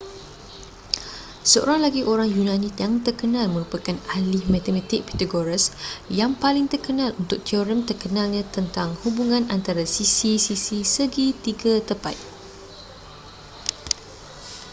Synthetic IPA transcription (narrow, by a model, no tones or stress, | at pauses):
səo̰ɾaŋlaɡiʔoɾaŋjunãnit̪jaŋt̪ərkənãlmə̃ɾupakanalɪhmãt̪ɛmãt̪ɪk̚pɛ̥t̪aɡoɾisjaŋpalɪŋt̪ərkənãlunt̪ʊk̚t̪ioɾəmt̪ərkənalɲãt̪ənt̪aŋhubuŋãnant̪aɾasisisisisəɡit̪iɡat̪əpa̰t̪̚